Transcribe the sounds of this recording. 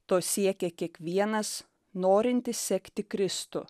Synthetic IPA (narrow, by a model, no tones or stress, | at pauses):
t̪oːsʲiɛkʲɛkʲiɛkʋʲiɛnɐs | noːɾʲɪnʲt̪ʲɪsʲsʲɛkʲt̪ʲɪkɾʲɪst̪ʊ